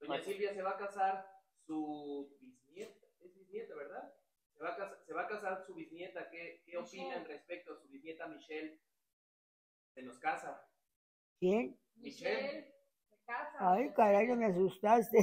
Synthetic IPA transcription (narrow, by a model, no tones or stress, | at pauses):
d̪oasilβjase̞βakasaɾ | subiznjet̪aezβiznjet̪aβe̞ɾðað | seβakasase̞βakasaɾsuβiznje̞t̪akekeopinanrespek̚t̪oasuβiznje̞t̪amiʃel | se̞no̞skasa | kjen | mit͡ʃel | ekasaajkaɾaʎameas̬ust̪ast̪e